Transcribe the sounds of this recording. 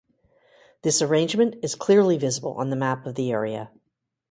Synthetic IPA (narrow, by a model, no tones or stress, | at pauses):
ðɪsə˞ẽɪ̃nd͡ʒmɨ̃ntɨz̥kʰl̥ɪɹlivɪzəbl̩ˠə̰̃nðɨmæpʌvðiɛɹiɨ̰